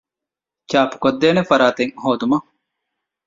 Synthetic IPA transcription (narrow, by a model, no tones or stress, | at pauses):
t͡ʃaːpu̥kod̪ːeːnefɐɾaːt̪eŋhoːd̪umɐ